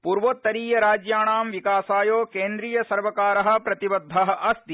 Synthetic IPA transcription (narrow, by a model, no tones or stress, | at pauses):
puːɾʋoːt̪ːɐɾiːjɐɾaːd͡ʒjaːɳaːmʋikaːsaːjoːkeːnd̪ɾiːjɐsɐɾʋɐkaːɾɐɦɐ̆pɾɐt̪ibɐd̪ʱːɐɦɐ̆ʔɐst̪i